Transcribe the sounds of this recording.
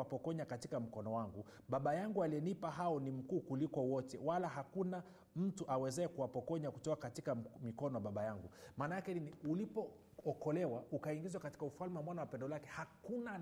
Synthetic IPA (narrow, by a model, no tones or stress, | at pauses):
apɔkɔɲakatikam̩kɔnɔwaŋɡu | ɓaɓajaŋɡualiɛnipaɦaɔnim̩kuːkulikɔwɔtɛ̰walaɦakuna | m̩tuʔawɛzɛɛkuwapɔkɔɲakutɔakatikamikɔnɔwaɓaɓajaŋɡumaːnajakɛniniulipɔ | ɔkɔlɛwaukaiŋɡizwakati̥kaufalmɛwamwanawapɛndɔlakɛhakuna